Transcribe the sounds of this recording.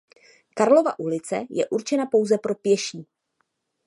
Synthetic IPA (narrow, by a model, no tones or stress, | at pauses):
kaɾlo̞va̰ʔulɪt͡sɛ̰jɛ̰ʔuɾt͡ʃɛnapo̞wzɛpɾo̞pjɛʃiː